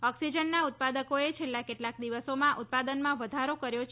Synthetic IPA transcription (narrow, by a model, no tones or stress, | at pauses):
ɔksid͡ʒənːaut̪̚pad̪əkoet͡ʃʰelːakeʈlak̚d̪iʋəsomãʔut̪̚pad̪ənmãʋəd̪ʱaɾokəɾjot͡ʃ